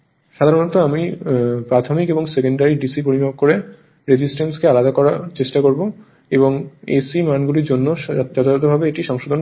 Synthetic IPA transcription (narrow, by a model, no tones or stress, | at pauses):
ʃad̪ʱaɾonot̪oamipɾat̪ʰomikeboŋsekeɳɖaɾiɖisip̬oɾibʱab̚koɾe | ɾed͡ʑisʈenskealad̪akɔɾaɾt͡ɕeʃʈakoɾbo | eboŋḛsimanɡuliɾd͡ʑonːoɔt̪ʰat̪̬obʱabeeʈiʃɔŋʃod̪ʱon